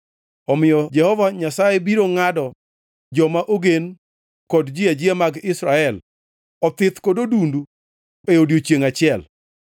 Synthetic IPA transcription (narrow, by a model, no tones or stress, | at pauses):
ɔmɪjɔd͡ʒɛhɔvaɲasajebiɾoŋadɔ | d͡ʒɔmaʔoɡen | kɔdd͡ʒɪad͡ʒɪamaɡɪsɾaɛl | ɔt̪ɪt̪kododundu | eodjot͡ʃjeŋat͡ʃɪɛl